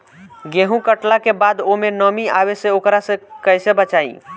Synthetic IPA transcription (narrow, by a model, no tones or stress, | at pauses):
ɡeɦũkəʈlakebad̪omenəmiaβesẽokɾasẽkəjsebət͡ʃaḭ̃